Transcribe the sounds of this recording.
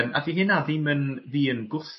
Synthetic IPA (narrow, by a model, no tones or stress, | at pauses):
ma̰viɦɪnaðimənðiːənɡʊθ